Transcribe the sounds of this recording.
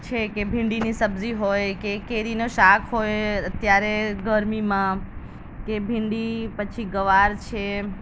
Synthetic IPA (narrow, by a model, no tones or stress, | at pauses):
t͡ʃʰekebʱɪ̃ɳɖinisəbziɦojkekeɾinoʃakʰɦojət̪jaɾeɡəɾmimã | kebʱɪ̃ɳɖipət͡ʃʰiɡəʋaɾt͡ʃʰe